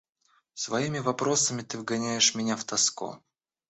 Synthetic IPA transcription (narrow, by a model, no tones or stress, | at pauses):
svɐimʲɪvɐpɾo̞səmʲɪt̪ɨvɡɐnʲæjɪʂmʲɪnʲaft̪ɐsko̰